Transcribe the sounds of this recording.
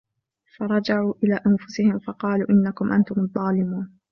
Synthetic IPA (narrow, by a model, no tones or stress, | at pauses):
fɑɾˤɑd͡ʒaʕuːʔɪlaːʔanfʊsɪhɪmfɑqɑːlṵːʔɪnːakʊmʔant̪ʊmɑðˤːɑːlɪmuːn